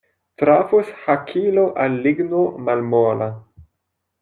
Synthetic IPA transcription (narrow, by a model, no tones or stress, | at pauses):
tɾafushakʰiloʔalːiɡnomalmola